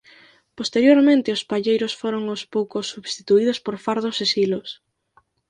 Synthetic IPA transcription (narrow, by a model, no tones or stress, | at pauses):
post̪eɾjoɾmẽnt̪ɪʊspaʎejɾʊsfoɾoŋʊspowkʊsːuβst̪it̪uiðʊspoɾfaɾð̞ʊsesilʊs